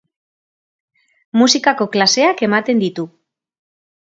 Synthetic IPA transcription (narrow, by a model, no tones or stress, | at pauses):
musikako̞klase̞ake̞mat̪e̞nd̪it̪u